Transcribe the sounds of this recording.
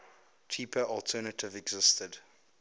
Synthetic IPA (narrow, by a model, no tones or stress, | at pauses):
t͡ʃʰiːpʰəʔɔlˠtʰɜːnətɪvɛɡzɪstəd